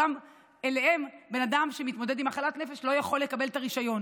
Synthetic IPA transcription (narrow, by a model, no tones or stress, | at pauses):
am | ele̞he̞mbe̞nadamʃemit̪mo̞dedimaχalatne̞feʃlo̞jaχo̞lːe̞kabe̞lt̪aʁiʃajo̞n